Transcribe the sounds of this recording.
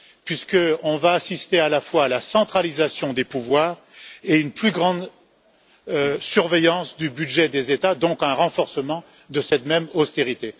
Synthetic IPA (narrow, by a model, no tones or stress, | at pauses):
pɥiskəɔ̃vaːsist̪ealafwaːlasɑ̃t̪χalizasjɔ̃d̪epuvwaːʁ | eynplyɡʁɑ̃d̪ | syʁvɛjɑ̃sd̪ybyd̪ʒɛd̪ezet̪ad̪ɔ̃kɛ̃ʁɑ̃fɔʁsəmɑ̃ | d̪əsɛt̪mɛmɔst̪eʁit̪e